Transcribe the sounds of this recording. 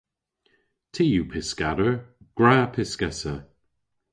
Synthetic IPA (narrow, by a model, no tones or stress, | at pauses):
tʰiːjupʰɪskaɾə | ɡ̥ɹaːpʰɪskɛsə